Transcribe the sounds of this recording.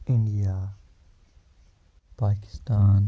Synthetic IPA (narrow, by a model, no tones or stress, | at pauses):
ɪ̃ɳɖijaː | paːkɪ̥st̪aːn